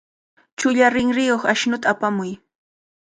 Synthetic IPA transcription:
t͡ʃʊʎaɾɪŋɾɪjoχaʃnʊt̪aːpamʊj

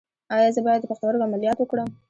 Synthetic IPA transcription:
ɑjɑzəbɑjad̪ːəpaxt̪awəɾɡoamalijɑt̪wəkɽəm

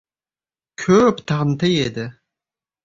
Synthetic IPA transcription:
kʲʰøpt̪ʰɑnt̪ɨed̪ɪ

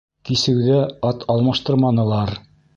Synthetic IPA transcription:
t̪isɘ̆wðɘɑt̪ʰɑlˠmɑʃt̪ɤ̆ɾmɑnɤ̆lˠɑɾ

